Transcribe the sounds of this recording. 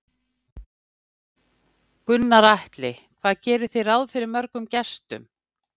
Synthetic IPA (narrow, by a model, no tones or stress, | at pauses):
kʏnːaɾajht̪lɪkʰvaːðcɛːɾʏ̥θejɾawðfɪɾɪɾmœɾkʏmcɛst̪ʏ̰m